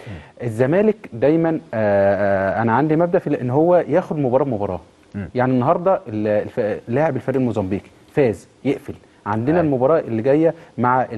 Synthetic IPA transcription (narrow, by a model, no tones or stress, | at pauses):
ʔezːæmæːlekd̪æjmæn | ʔænæʕand̪imæbd̪æʔfilʔenːɦowːæjæːxod̪mobɑɾˤɑːbmobɑɾˤɑ̰ː | jaʕninːɑɦɑɾˤd̪ˤɑellflːaːʕebelfæɾʔielmozɑmbiːki̥ | fæːz | jeʔfel | ʕand̪enælmobɑɾˤɑːʔelːiɡæjːæmaʕaʔ